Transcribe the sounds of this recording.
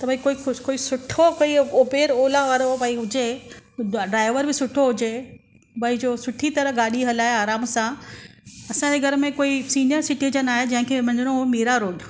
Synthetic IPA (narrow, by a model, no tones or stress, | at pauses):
t̪ɐbãikoːiʊkoːisʊʈʰokoioːbeːɾoːlaʋaːɾobɐĩɦʊd͡ʑe | ɖɾaːɪʋəɾbɪsʊʈʰoɦʊd͡ʑe | bɐĩd͡ʑoːsʊʈʰit̪ɐɾəɦɡaːɗiɦɐlaːeaːɾaːmsã | ɐsãd͡ʑeɡʱɐɾmẽkoːisiːnijəɾsɪʈid͡ʑənaːɦed͡ʑɐ̃ɦɪ̃kʰemɐ̃ɲd͡ʑɪɽ̃oɦmiːɾaɾoːɖ